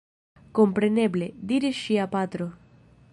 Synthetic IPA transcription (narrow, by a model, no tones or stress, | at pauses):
kompɾenebled̪iɾiʃiapat̪ɾo